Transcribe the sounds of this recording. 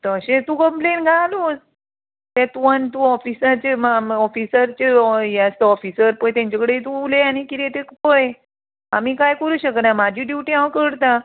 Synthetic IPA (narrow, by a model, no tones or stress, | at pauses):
t̪əɕẽt̪ũkəmplenɡʱaluːs | t̪ɛt̪uənt̪uɔfisat͡ɕemɔfisəɾt͡ɕejat̪eɔfisəɾpəjt̪ãɲt͡ɕakəɽeit̪uuleanikiɾet̪ekpəj | a̰mikajkəɾuːɕəknamad͡ʑʱiɖuʈiãʋəkəɽt̪a